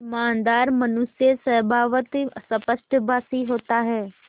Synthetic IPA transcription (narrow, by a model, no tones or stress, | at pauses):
ɪmaːnd̪aːɾmɐnʊsjəsɐbʱaːʋət̪sɐpəʃʈbʱaːsiɦoːt̪aɦɛː